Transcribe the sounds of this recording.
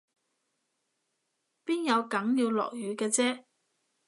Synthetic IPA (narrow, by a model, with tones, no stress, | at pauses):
piː˥njɐ˨˧wkɐ˨˥ŋjiː˧wlɔ̰ː˨˩k̚jyː˨kɛː˧t͡sɛː˥